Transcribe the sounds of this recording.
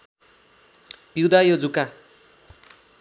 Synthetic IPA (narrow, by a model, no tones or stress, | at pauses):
piwd̪ajod͡zuka